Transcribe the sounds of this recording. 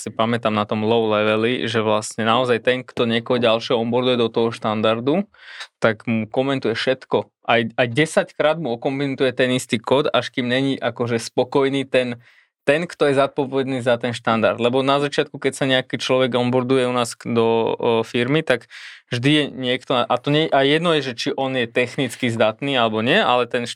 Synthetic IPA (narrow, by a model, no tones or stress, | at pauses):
sipamɛt̪amnat̪ɔmlɔʊlɛʋɛlḭʒɛʋlasɲɛnaɔzajt̪ɛŋkt̪ɔɲɪɛkɔɦɔɟalʃɛɦɔɔmbɔɾd̪ujɛd̪ɔt̪ɔɦɔʃt̪and̪aɾd̪ut̪aɡmukɔmɛnt̪ujɛfʃɛt̪kɔ | ʔajajɟɛsackɾaːd̪muɔkɔmbint̪ujɛt̪ɛnist̪iːkɔd̪aʃkiːmɲɛɲiʔakɔʒɛspɔkɔjniːt̪ɛn | t̪ɛnkt̪ɔjɛzat̪̚pɔʋɛd̪niːzat̪ɛnʃt̪and̪a̰ɾd̪lɛbɔnazat͡ʃɪat̪̚kukɛcsaɲɛakiːt͡ʃlɔʋɛɡɔmbɔɾd̪ujɛunaːsd̪ɔfiɾmit̪aɡvʒd̪ijɛɲɪɛkt̪ɔaʔat̪ɔɲɛʔajɛd̪nɔjɛʒɛt͡ʃiʔɔnjɛt̪ɛxnit͡skizd̪at̪niːalɛbɔɲɪɛa̰lɛt̪ɛn